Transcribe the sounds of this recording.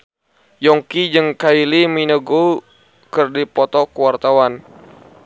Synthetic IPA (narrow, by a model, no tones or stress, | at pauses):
jɔŋkid͡ʒɨŋkailiminəɡu | kɨrdipɔt̪ɔkuwart̪awan